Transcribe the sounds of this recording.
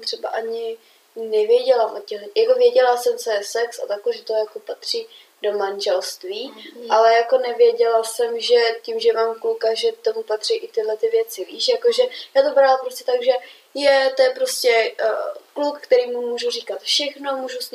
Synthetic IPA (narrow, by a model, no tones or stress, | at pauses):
t̪r̝̥ɛbaʔaɲɪ | nɛvɪjɛɟɛlamʔot̪cɛɦlɛjakovjɛɟɛlasɛmt͡sojɛsɛksa̰t̪akoʒɛt̪ojakopat̪r̝̥iː | do̞manʒɛlst̪viːʔalɛjako̞nɛvɪjɛɟɛlasɛmʒɛcimʒɛmaːmklukaʒɛt̪o̞mupat̪r̝̥ijʔɪt̪ɪɦlɛt̪ɪvjɛt͡sɪviːʃjakoʒɛjaːt̪obɾalampɾoscɛt̪aɡʒɛ | jɛt̪ojɛpɾoscɛ | klukːt̪ɛɾiːmumuːʒuriːkat̪fʃɛxnomuːʒus